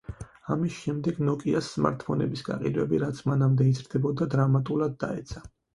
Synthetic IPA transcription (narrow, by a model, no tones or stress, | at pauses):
amisʃɛmd̪ɛɡnɔkʼiasːma̰ɾt̪ʰpʰɔnɛ̰bisɡ̥a̰qʼḭd̪wɛbiɾat̪sʰmanamd̪ɛizɾd̪ɛbɔd̪ad̪ɾamat̪ʼulˠad̪̚ːa̰ɛt̪sʰa